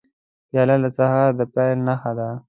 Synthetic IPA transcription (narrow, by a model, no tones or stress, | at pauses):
pjɑlalasahɑɾd̪əpajlnaxad̪a